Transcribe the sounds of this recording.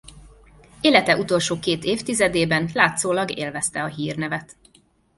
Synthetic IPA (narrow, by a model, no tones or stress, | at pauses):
eːlɛt̪ɛʔut̪o̞lʃoːkeːt̪eːft̪izɛd̪eːbɛnlaːt̪soːlɒɡḛːlvɛst̪ɛɒɦiːrnɛvɛt̪